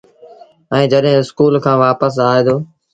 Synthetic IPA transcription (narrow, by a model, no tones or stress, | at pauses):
ɛ̃ːd͡ʒəɗɦɪ̃ːɪskuːlkʰãːʋaːpəs̬aːeːd̪oː